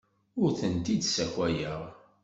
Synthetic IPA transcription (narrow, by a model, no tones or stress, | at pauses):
ʊɾθənt̪id̪sækʷwæjəʁ